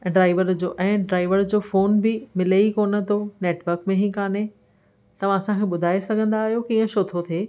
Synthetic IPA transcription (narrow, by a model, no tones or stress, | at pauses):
ɖɾaːɪʋəɾd͡ʑoːʔɛ̃ːɖɾaːɪʋəɾd͡ʑoːfoːnbɪmɪleikoːnə̆t̪ʰoneːʈʋəɾkmẽɦĩːkaːne | t̪ɐʋ̤ãɐsãkʰeɓʊd̪ʱaːesɐɡʱə̃nd̪aːɦijokiːə̃ʃoːt̪ʰot̪ʰeː